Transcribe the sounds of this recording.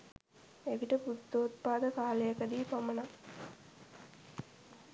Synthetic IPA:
eɡiʈəput̪ːoːt̪̚paːd̪ɐkaːlejɐkɐd̪iːpɐmɐna

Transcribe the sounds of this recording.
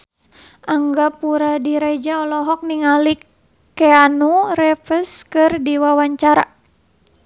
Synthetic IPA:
ʔaŋɡapuɾadiɾad͡ʒaɔlɔɦɔk̚niŋalikː | ɛanuɾɛfəskɨrdiwawaɲt͡ʃaɾa̰

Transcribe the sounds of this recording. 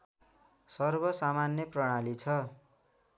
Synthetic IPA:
sʌrbʌsamanjʌprʌɽ̃alit͡sʰʌ

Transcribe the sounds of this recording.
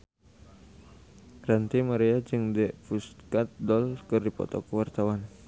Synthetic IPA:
rant̪imaɾead͡ʒɨŋdɛʔfust̪kat̪̚dɔlkɨrdipɔ̰t̪ɔkəwart̪awan

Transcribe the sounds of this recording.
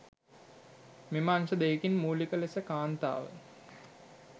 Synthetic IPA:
mimaːnʃəd̪eːkinmuːlikəlesəkaːnt̪a̰ːʋə̰

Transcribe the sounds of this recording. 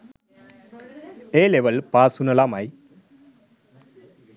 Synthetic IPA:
eːleʋɐlpaːsunɐlaːmaj

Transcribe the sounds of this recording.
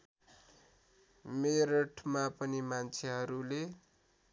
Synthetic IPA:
meɾʌʈʰmapʌnimant͡sʰeɦʌɾule

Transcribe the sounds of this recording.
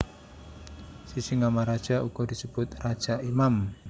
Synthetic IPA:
sisiŋamaɾad̥ʒ̥a̤ʔuɡ̥ɔd̪isəb̥ʊt̪rad̥ʒ̥aʔimam

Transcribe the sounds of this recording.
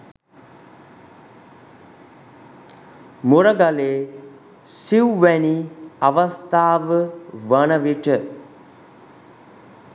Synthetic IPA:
muɾəɡaleː | siwʋæniaʋəst̪aːʋəʋənəʋiʈə

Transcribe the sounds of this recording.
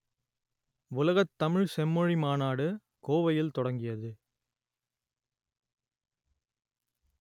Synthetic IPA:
ʊlɐɣɐt̪ːɐmɪɻsɛmːɔɻimaːnaːɽɯ | koːʋɐjɪlt̪ɔɽɐŋɡɪjɐðɯ

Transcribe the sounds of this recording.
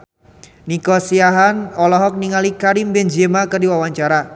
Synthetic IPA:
nikɔsiaɦanɔlɔɦɔk̚niŋalikaɾimbɛnd͡ʒemakərdiwawaɲt͡ʃaɾa

